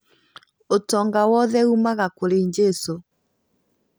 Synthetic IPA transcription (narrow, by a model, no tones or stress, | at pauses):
otɔŋɡawɔðɛumaɣakoɾeɲd͡ʒeso